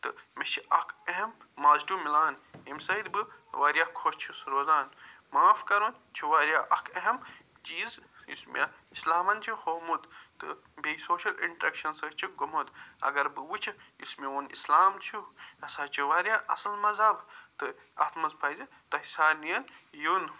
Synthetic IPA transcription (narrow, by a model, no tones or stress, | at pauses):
t̪ɨmet͡ʃʰiɐkʰeɦemː | aːzdumilaːnimsɐid̪bɨʋaːɾjaːkʰoʃt͡ʃʰisɾoːzaːn | maːfkɐɾun | t͡ʃʰiʋaːɾjaʔɐkʰɐɦɐm | d͡ʒiːzḭsmʲ | islaːmɐnt͡ʃʰihoːmud̪t̪ɨ̰ | bejsoːʃɐlḭɳʈɾekʃɐnsɐt͡ʃʰiɡomud̪ɐ̰ɡɐɾbɨwut͡ʃʰiismeunḭslaːmt͡ʃʰuɐsaːt͡ʃʰiʋaːɾjaʔɐ̰sɐlmɐzɐkt̪ɨ | ɐ̰t̪mɐzpʰɐjzi | t̪ɐɦisaːnijɐnjun